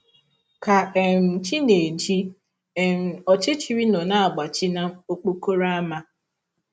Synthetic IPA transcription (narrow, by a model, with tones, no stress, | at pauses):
ka˨e˨m̩˨t͡ʃi˦ne˨d͡ʒi˦ | e˨m̩˨ɔ˨t͡ʃɪ˦t͡ʃi˦ɾi˦nɔ˨na˦a˨ɡ͡ba˨t͡ʃi˦na˦o˦k͡po˦ko˦ɾa˦ma˦